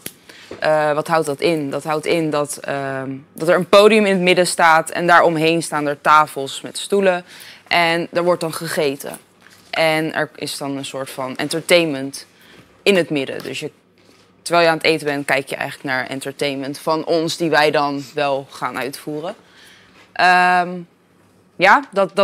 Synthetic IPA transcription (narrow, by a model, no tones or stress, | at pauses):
ʔəʋɑtɦʌwt̚dɑtɪndɑtɦʌwtɪndɑt | dɑtɛɹənpowdijəmɪnətmɪdəstaːtɛ̰ndaːɹɔmɦejnstaːndəɹtaːfəlˠsmɛtstuləʔɛndɛɹʋɔɹt̚dɑnχəχejtə̰ | ʔɛnɛ̰ɹɪ̰sdɑnənsʊːɹtfɑnɛ̰ntəɹtejnmənt | ɪnɦətmɪdə̰dɵ̰sjə | təɹʋɛːlˠjəaːnətejtəbɛntkɛjkjə̰ʔɛ̰jχələknaːɹɛ̰ntəɹtejnməntfɑnʔɔnsdiʋɛjdɑnʋɛlˠχaːnœ̰ɥtfuːrə | ʔəm | jaːdɑ